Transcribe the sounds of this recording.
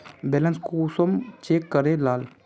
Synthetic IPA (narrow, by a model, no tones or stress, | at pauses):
beːlənskusomt͡ʃeːkːəɾelaːl